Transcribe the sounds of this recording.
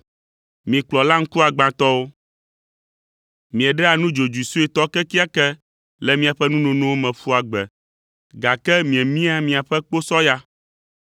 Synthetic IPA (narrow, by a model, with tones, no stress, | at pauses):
mĩ˨k͡plɔ˨la˦ŋ̩˦ku˦a˨ɡ͡bã˨t̪ɔ˦wo˦ | mĩ˨ɛ˨ɖɛ˦a˨nũ˦d͡ʒo˨d͡ʒu˨su˦ɛ˨t̪ɔ˦kɛ˦ki˦a˦kɛ˦ | lɛ˨mĩ˨a˨ɸɛ˦nũ˦nõ˨nõ˦wo˦mɛ̃˨fu˦a˨ɡ͡bɛ˨ | ɡa˨kɛ˦mĩ˨ɛ˨mĩ˦a˦mĩ˨a˨ɸɛ˦k͡po˦sɔ˦ja˦